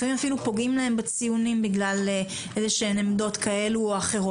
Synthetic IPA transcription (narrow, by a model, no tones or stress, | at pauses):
ʁimafilupo̞ɡimlahe̞mbet͡sijunimbiɡlale | ʔezeʃenemdo̞t̪kae̞luoaχeʁo